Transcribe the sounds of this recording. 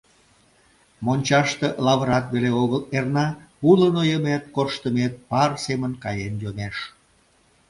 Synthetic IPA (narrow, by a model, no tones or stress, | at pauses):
monʲt͡ɕɑʃt̪elɑβəɾɑt̪βeleoɣəlernɑulənojəmet̪̚korʃt̪əmet̪̚pɑrsemənkɑjenjomeʃ